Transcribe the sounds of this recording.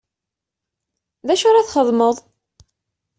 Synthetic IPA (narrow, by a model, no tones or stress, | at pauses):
ðæʃʊɾaθχəðˤməðˤ